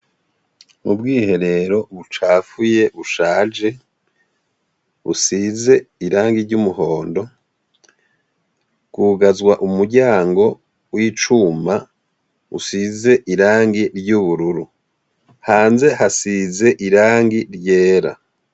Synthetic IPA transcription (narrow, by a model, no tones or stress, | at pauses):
mubɡiːhe̞ɾe̞ɾo̞βut͡ʃaːfuje̞βuʃaːd͡ʒe̞ | βṵsize̞iɾaːŋɡiɾɟumuɦo̞ːndo̞ | ɡ̥uːɡazɡwaʔumuɾɟaːŋɡo̞ | wiːt͡ʃuma | ṵsize̞ʔiɾaːŋɡiɾɟuβuɾuɾu | haːnze̞hasize̞ʔiɾaːŋɡiɾɟe̞ːɾa̰